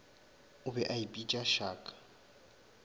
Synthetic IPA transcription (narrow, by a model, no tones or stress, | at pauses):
ʊbɛʔaibʼit͡ʃʼaʃaːkʼḁ